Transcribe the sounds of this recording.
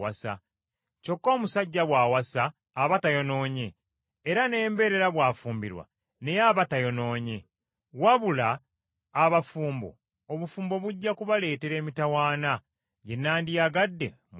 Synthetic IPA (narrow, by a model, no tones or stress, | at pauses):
asa̰ | co̞kːo̞ːmusaɟːaβwaːwasaː | βatajo̞no̞ːɲe̞ː | ɾane̞ːmbe̞ɾe̞ɾaβwaːfuːmbiɾwa̰ | ne̞jaβatajo̞no̞ːɲe̞ | waβulaː | βafuːmbo̞̰ | oβufuːmbo̞βuɟːakuβale̞ːte̞ɾe̞ːmitawaːna | ɟe̞nːaːndijaɡadːe̞̰ | m